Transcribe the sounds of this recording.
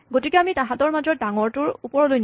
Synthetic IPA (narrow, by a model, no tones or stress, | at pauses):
ɡotikeamitãɦatɔɹmazɔdaŋɔɹtʊɹupɔɹɔlojn